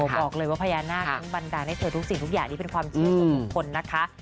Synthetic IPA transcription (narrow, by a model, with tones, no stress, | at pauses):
o˨˩bɔː˨˩k̚lɤː˧jwaː˥˩pʰa˧jaː˧naː˥˩a˦˥ŋba˧ndaː˧na˥˩jt̪ʰɤː˧t̪u˦˥k̚si˨˩t̪ʰu˦˥k̚jaː˨˩ŋniː˦˥pe˧nkʰwaː˧mt͡ɕi˧˨˩u˧bu˨˩kʰo˧nːa˦˥kʰa˦˥ʔ